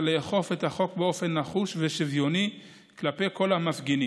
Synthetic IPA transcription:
leːχo̞fe̞t̪haχo̞kbeo̞fe̞nːaχuʃve̞ʃivjo̞ni | klape̞jko̞lamafɡeni

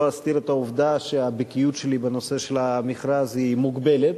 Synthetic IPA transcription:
ast̪iɾet̪auvd̪aʃeabikijut̪ʃelibeno̞se̞ʃelamiχɾazhimuɡbelet̪

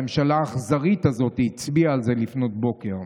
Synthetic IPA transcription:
emʃalaːχzaʁitazo̞tit͡sbiaːlze̞lifno̞t̚bo̞ke̞ʁ

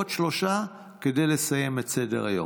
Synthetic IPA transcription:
ot̪ʃlo̞ʃa | kedejlesajemet͡sedḛʁa̰jo̰

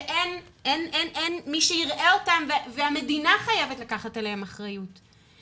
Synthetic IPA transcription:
ʔenenʔenʔenmiʃeiʁʔe̞otamveveame̞dinaχajevetlakaχatelehemaχʁajut

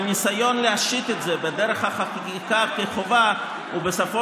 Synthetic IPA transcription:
nisajɔnləaʃit̪ɛtzɛbɪdɛɾəχaχa | ikakɪχova | ubəsafɔ

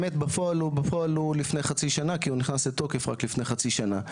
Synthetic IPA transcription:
met̪bafoalubafoalulifnejχat͡siʃanakiuniχnaslet̪o̞kefʁa̰klifne̞jχat͡siʃana

